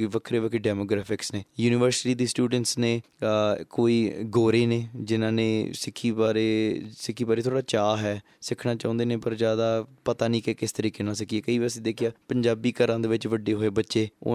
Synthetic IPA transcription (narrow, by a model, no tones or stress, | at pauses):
ʋəkʰɾeːʋəkʰeɖɛːmoːɡɾɛːpʰɪksneːjuːnɪʋəɾsɪʈiːd̪iːsʈuːɖəɳʈsneː | koːiːɡoːɾeːneːd͡ʒɪnãːnẽːsɪkʰːiːbaːɾeːsɪkʰːiːbaːɾeːt̪ʰoːɽaːt͡ʃaːɦɛː | sɪkʰnaːt͡ʃãːnd̪eːnẽːpəɾzjaːd̪aːpət̪aːnĩːkeːkɪst̪əɾiːkeːnãːsɪkieːkəiːʋiəsĩːd̪eːkʰɪjaːpəɲd͡ʒaːbiːkəɾãːd̪eːʋɪt͡ʃʋəɖeːɦoːeːbətːʃeːo̰ː